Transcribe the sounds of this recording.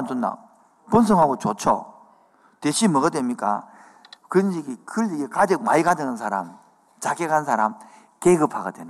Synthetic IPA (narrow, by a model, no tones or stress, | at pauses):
msʰonːa̰ | pons̬ʰɯŋɦaɡot͡ɕot͡ɕʰo̰ | teɕʰimʌɡɯdwemɲik͈a̰ | kɯɯnd͡ʑiɡekɯɭːiɡekad͡ʑɯk̚maiɡadɯŋɯns̬ʰaɾam | t͡ɕakekannsʰaɾam | keɡɯpʰaɡadwen